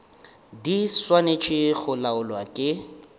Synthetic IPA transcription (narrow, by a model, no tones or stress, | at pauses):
diswanet͡ʃʼɪɣʊlaʊlwakʼɪ